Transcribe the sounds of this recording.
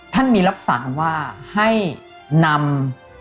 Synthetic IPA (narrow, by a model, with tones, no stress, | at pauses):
t̪ʰa˥˩nmiː˧ɾa˦˥p̚sa̰˩˦ŋwaː˥˩ha˥˩j | na˧m